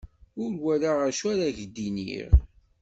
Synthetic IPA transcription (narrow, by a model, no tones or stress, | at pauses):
ʊɾwæɾaʁæʃæɾæʝəd̪inḭɾ